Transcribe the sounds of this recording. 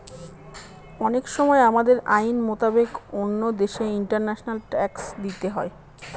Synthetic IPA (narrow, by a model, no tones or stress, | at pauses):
ɔnekʃɔmɔeamad̪eɾajnmot̪abekonːod̪eʃeiɳʈaɾnɛʃonalʈɛksd̪it̪eɦɔe